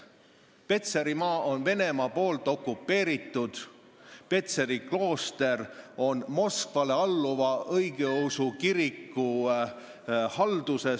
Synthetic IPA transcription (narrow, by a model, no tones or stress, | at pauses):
pe̞t̪seɾimɑːʔo̞nve̞ne̞mɑpo̞ːlt̪ˑo̞kːˑupːe̞ːɾit̪ˑːud̪̥ | pe̞t̪se̞ɾiklo̞ːst̪e̞ro̞nmo̞skvɑle̞ɑlːuvɑʔɤjɡeowsukiɾikːˑu | hɑld̪̥use̞